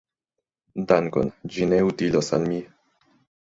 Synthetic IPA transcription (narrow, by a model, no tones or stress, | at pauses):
d̪aŋko̰nd͡ʒineut̪ilosa̰nmi